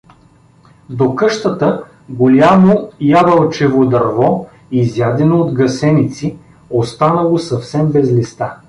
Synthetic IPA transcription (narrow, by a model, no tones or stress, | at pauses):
d̪okɤʃt̪ət̪ə | ɡolʲamojavəlˠt͡ʃɛvod̪ɐɾvɔ | izjad̪ɛnoːd̪ɡɐsɛnit̪si | ost̪anəlˠosɐfsɛmbɛzlist̪a